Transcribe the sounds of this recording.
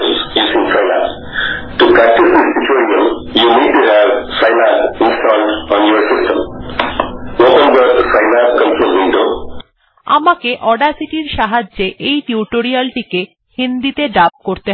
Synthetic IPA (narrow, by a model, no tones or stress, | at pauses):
zjusĩŋsaɪlã̰n | ʈupɾæk̚ʈisd̪istit͡ʃoɾiə̃m | juniɖ̚ʈuɦɛvsaɪlãnɪ̃nstɔlɖɔ̃njɔɾsɪsʈə̰̃m | wopə̃nɡətsaɪlãnkə̃msə̃lwɪ̃nɖo | a̰makeʔɔɖasiʈiɾʃaɦad͡ʑd͡ʑeʔejʈiuʈoɾialʈike | hind̪it̪eɖap̚koɾt̪e